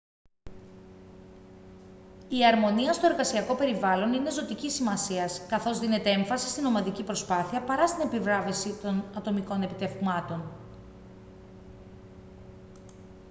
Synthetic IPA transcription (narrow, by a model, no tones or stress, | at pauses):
iɐɾmo̞niɐst̪o̞e̞ɾɣɐsiɐko̞pe̞ɾivɐlo̞ninezo̞t̪icisimɐsiɐskɐθo̞zðine̞t̪eeɱfɐsi̥st̪ino̞mɐðicipɾo̞spɐθiɐpɐɾɐst̪ine̞pivɾɐvesit̪o̞nɐt̪o̞miko̞ne̞pit̪e̞vmɐt̪o̞n